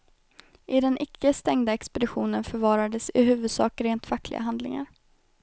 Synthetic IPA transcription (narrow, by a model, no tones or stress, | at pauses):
ʔɪd̪ɛnʔɪkːəst̪ɛŋd̪aɛkspɛd̪ɪɧuːnənfœɾvɑːɾad̪əsɪɦʉ̟ːvɵd̪sɑ̰ːkɾeːnt̪fakːlʔɪ̰ɡa̰ɦand̪lɪ̰ŋa̰ɾ